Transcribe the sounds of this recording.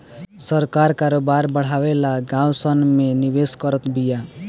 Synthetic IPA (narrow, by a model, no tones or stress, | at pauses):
səɾkaɾkaɾobaɾbəɽ̤awelaɡãwsənmeniʋeskəɾət̪bija